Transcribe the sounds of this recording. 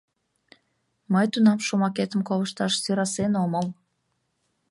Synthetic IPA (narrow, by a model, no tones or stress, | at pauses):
məjt̪unɑmʃomɑket̪əmkoləʃt̪ɑʃsiɾɑsenoməl